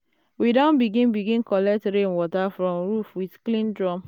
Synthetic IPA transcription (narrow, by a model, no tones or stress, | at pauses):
widãnbiɡĩnbiɡĩnkɔlɛk̚tɹẽnwɔtafɹɔ̃mɹufwiθklĩndɹɔm